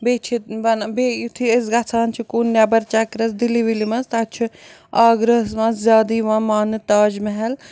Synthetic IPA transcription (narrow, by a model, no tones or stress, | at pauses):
beːt͡ʃʰit̪bɐnbeit̪ʰies̬ɡɐt͡sʰaːnt͡ʃʰikuːnːjabɐɾt͡ʃakɾɐsd̪iliʋilimɐst̪at͡ʃʰi | aːɡɾɐɦɐsmɐ̃szʲaːd̪iːʋãːmaːnɨt̪aːd͡ʒmɐɦɐl